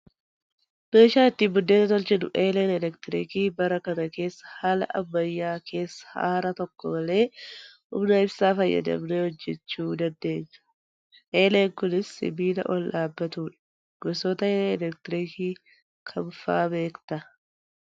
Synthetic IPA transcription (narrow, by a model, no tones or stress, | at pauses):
b̥e̞ːʃaːɪt̪ːɪbʊd̪ːeːt̪ɐt̪ɔlt͡ʃɪd̪ʊ̰ʔeːleːnɛlɛkt̪ɪɾiːkiːbɐɾɐkɐnɐke̞ːsːɐ̥haːlɐ̰ʔɐbːɐjːaːkʰe̞ːsːɐ̥ha̰ːɾɐt̪ɔkːɔmɐle̞ː | ʊ̰mnɐɪbsaːfɐjːɐ̰d̪ɐ̰bnɛwɔd͡ʒːɛt͡ʃːuːd̪ɐnd̪e̞ːɲːɐ̥ | ʔeːleːŋkʊnɪsːɪ̰biːlɐ̰ʔɔlᶑaːbːɐt̪uːᶑɐ̥ɐ̥ | ɡ̥ɔsoːt̪ɐeːleɛlɛk̚t̪ɪɾiːkiː | kʰɐmfaːbe̞ːkt̪ɐ